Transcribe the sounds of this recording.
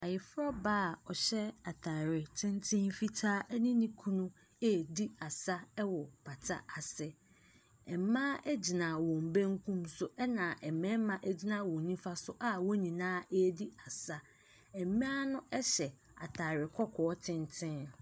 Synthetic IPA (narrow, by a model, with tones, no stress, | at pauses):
a˨jɪ˨fɾɔ˦baː˦˨ɔ˨ɕɛ˦a˨tʰa˨ɾɪ˨tʰɪ̃˦ntʰɪ̃˦nfi˦tʰaː˦ʔæ˦nĩ˦nĩ˦kʰũ˦nũ˦ | ɛ˦˨di˦a˨sa˦ɛ˦wɔ˨pʰa˨tʰa̰˦a˨sɪ˦ | ɛ˨˦mã˦ʔæ˦d͡ʑi˨nã˨wɔ̃˨m˨bẽ˦ŋ˦kʰũ˦msʊ˨ʔɛ˦nã˨ʔɛ˨mɛ̃˦mã˨ʔæ˦d͡ʑi˦nã˨wɔ̃˨n˦nĩ˦fa˦sʊ˦ʔa˦wɔ˦ɲĩ˨nãː˦ɛ˦di˦a˨sa˦ | ɛ˨˦mĩ˦a˦nʊ̃˦ʔɛ˦ɕɛ˨ | a̰˨tʰa˨ɾɪ˨kʰɔ˦kʰɔː˨ɔ˦tʰɪ̃˦ntʰɪ̃˦n